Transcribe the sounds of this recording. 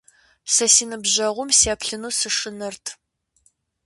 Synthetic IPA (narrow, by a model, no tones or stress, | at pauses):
sɐsiːnɨbʑɐʁʷʊmseːpɬɨnuːsɨʂɨnɨrtʰ